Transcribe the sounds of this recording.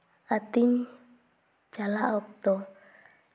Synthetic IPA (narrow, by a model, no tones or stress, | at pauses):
at̪iɲ | d͡ʒalaʔɔk̚t̪ɔ